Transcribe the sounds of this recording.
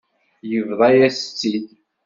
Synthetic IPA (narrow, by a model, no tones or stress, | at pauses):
jəvðˤɑjæst͡sːid̪